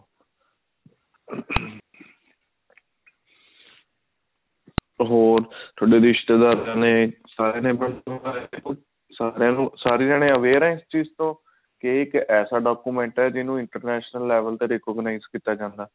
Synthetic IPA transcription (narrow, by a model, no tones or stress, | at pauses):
ɦoːɾt̪ʰʊɽeːd̪iɪʃt̪ed̪aːɾãːneːsaːɾeːnẽːbəɳːəaːʊ | saːɾeãːnũːsaːɾiːd͡ʒaːɽ̃eːəʋeːɾnẽːst͡ʃiːzt̪õː | keːɪkɛːsaːɖaːkuːmɛ̃ːɳʈɛːd͡ʒɪnũːɪɳʈəɾnɛːʃnəlːɛːʋəlt̪eːɾekɔːɡnaːizkiːt̪aːd͡ʒãːnd̪aː